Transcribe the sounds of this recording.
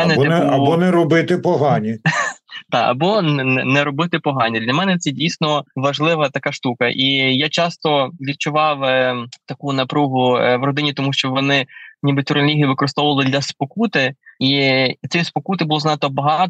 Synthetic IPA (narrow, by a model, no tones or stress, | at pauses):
ɛnɛɐbɔnɛɾɔbɪt̪ɪpɔɦɑnʲi | t̪ɑɐ̰bɔnnɛɾɔbɪt̪ɪpɔɦɑnʲid̪lʲɐmɛnɛt̪sɛdʲijsʲnɔʋɐʒlˠɪʋɐt̪ɐkɑʃt̪ukɐʔijat͡ʃɑst̪ɔʋʲid̪̚t͡ʃʊʋɑwt̪ɐkunɐpɾuɦʊʋrɔd̪ɪnʲit̪ɔmuʃt͡ʃɔʋɔnɪnʲibɪtʲʊɾnɐlʲiɦʲijiʋɪkɔɾɪst̪ɔʋʊʋɐlˠɪd̪lʲɐspɔkut̪ɪit̪sʲɛspɔkut̪̬ɪbʊlˠɔznɑt̪ɔbɐɦɑt̪